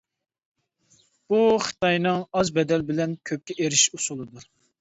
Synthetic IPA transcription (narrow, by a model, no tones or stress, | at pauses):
b̥uχɨ̥t̪ʰɑjnɨŋɑzbɛd̪ɛlbɪlɛnkʲʰøp̚kʲɛʔeɾɪʃusulˠɨd̪uɾ